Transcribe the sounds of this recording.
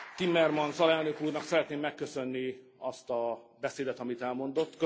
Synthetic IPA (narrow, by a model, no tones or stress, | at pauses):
t̪imːɛrmɒnsɒlɛlnø̞kuːrnɒksɛɾɛt̪neːmːɛkːø̞sø̞nːi | ɒst̪ɒbɛseːd̪ɛt̪ɒmit̪ɛlmo̞nd̪o̞t̪ːkø